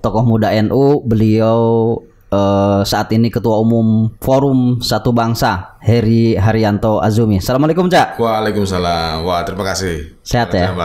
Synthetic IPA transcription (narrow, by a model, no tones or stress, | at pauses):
t̪ɔkɔhmudaɛnʔubəliau | əsaʔat̪inikət̪uaumʊmfoɾumsat̪ubaŋsahɛɾiɦaɾiant̪oa̰zumiasalamalekumt͡ʃaʔwaːlekumsalamwat̪əɾimakasih | seɦat̪ja